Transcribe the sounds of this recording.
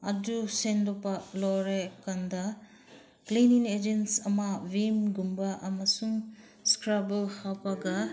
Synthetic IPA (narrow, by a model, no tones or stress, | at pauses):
ɐdusendɔpɐlɔɾekandɐ | pleniŋed͡ʒensɐmɐwimɡumbaʔɐmɐsuŋ | skɾabelhawpaɡɐ